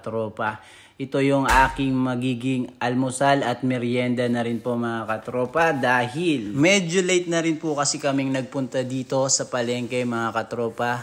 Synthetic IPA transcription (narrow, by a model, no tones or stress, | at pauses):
t̪ɾo̞ːpɐ | ʔɪt̪o̞jʊŋʔaːkɪŋmɐɡiːɡɪŋʔɐlmosalɐt̪̚mɛɾjɛnd̪ɐnɐɾɪnpoŋmɐŋakɐt̪ɾo̞ːpɐd̪aːɦɪlmɛd͡ʒʊlejt̪̚nɐɾɪnpʊkɐsikɐmiŋnɐɡ̚pʊnt̪ɐd̪iːt̪o̞sɐpɐlɛŋkɐjmɐŋakɐt̪ɾo̞ːpɐ